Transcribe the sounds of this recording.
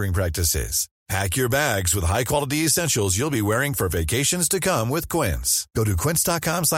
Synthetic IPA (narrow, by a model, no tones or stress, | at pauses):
ɪ̃ŋpʰɹ̥æk̚tɨsɪ̰z̥ | pʰækjə˞bæɡzwəð̥ɦaɪkʰw̥ɑlˠəɾiɨsɛ̃nʃl̩ˠzjulˠbiwɛɹɪ̃ŋfə˞veɪkʰeɪʃɨ̃nz̥tɨkʰʌ̃mwɪð̥kʰw̥ɪ̰̃nsɡ̥oʊɾɨkʰw̥ɪ̃nsd̥ɑt̚kʰɑ̃ms